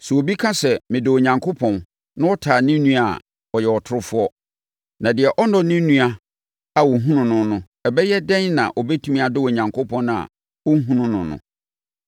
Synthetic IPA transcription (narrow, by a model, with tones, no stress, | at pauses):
sɛ˨o˨bi˦kʰã˦sɛ˨mɪ̃˨dɪ˨wo˨ɲã˨ŋkʰo˦pʰɔ̃˨n | nã˦wɔ˦tʰaː˨nĩ˦nũ˦a˨ | ɔ˨jɛ˨ɔ˨tʰʊ˦ɾʊ˦fʊ˦ɔ˦ | nã˨dɪ˨ɛ˨ʔɔ˦nɔ̃˨nĩ˦nũ˦a˨ | a˨wɔ˨ɦũ˦nʊ̃˨nʊ̃˦nʊ̃˨ | ɛ˨bɛ˦jɛ˦dɛ̃˦nnã̰˨ʔɔ˨bɛ˦tʰũ˦mĩ˦a˨dɪ˦wo˨ɲã˨ŋkʰo˦pʰɔ̃˦ñ˦a̰˨ | wɔ˦ɦũ˦nʊ̃˦nʊ̃˨nʊ̰̃˨